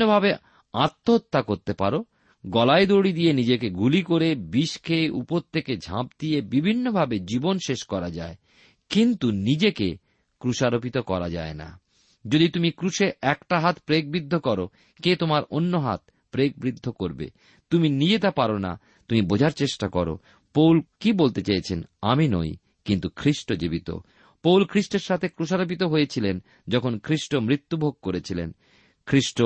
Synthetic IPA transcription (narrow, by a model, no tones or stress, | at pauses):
obʱabe | at̪ːoot̪ːakoɾt̪epaɾo | ɡɔlaed̪oɽid̪ijenid͡ʑekeɡulikoɾebiʃkʰeʔupoɾt̪ʰeked͡ʑʱã̰p̚d̪ijebibʱinːobʱabed͡ʑibonʃeʃkɔɾad͡ʑae | kint̪unid͡ʑekḛ | kɾuʃaɾopit̪okɔɾa̰d͡ʑa̰ena̰ | d͡ʑod̪it̪umikɾuʃeɛkʈaɦat̪pɾek̚bɾid̪ʱːokɔɾo | ket̪omaɾonːoɦa̰t̪̚ | pɾek̚bɾid̪ʱːokoɾbḛ | t̪uminid͡ʑet̪apaɾona̰ | t̪umibod͡ʑʱaɾt͡ɕeʃʈakɔɾo̰ | powlkibolt̪et͡ɕajt͡ɕʰenamino̰j | kint̪ukʰɾiʃʈod͡ʑibit̪o̰ | powlkʰɾiʃʈeɾʃat̪ʰekɾuʃaɾop̬it̪oɦojet͡ɕʰilen | d͡ʑɔkʰonkʰɾiʃʈomɾit̪ːubʱoɡ̚koɾet͡ɕʰilen | kʰɾiʃʈo